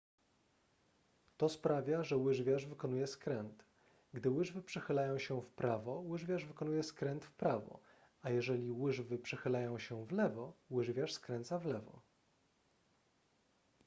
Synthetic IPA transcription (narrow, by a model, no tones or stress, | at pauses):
t̪ɔspɾavʲjaʐɛwɘʐvʲjaʐvɘkɔnujɛskɾɛnt̪ | ɡd̪ɘwɘʐvɘpʂɛxɘlajɔ̃w̃ɕɛfpɾʔavɔwɘʐvʲjaʐvɘkɔnujɛskɾɛnt̪fpɾavɔ̰ | ajɛʐɛlʲiwɘʐvɘpʂɛxɘlajɔ̃w̃ɕɛvlɛvɔwɘʐvʲjaʂskɾɛnt̪savlɛvɔ̰